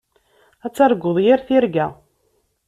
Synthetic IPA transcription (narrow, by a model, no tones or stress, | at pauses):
æt͡sːɑɾˤɡːoðˤjiɾθiɾɡæ